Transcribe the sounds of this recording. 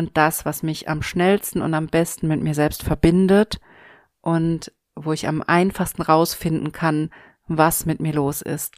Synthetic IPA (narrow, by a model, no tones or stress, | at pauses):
ʔʊnt̚d̥asv̥asmɪça̰mʃnɛlstn̩ʊ̰ntambɛstn̩mɪtmiːɐzɛlpstfɛɐbɪndət | ʔʊnt | voːɪça̰mʔaɪnfaχstn̩ʁaʊsfɪndn̩kʰan | vasmɪtmiːɐloːsɪ̰st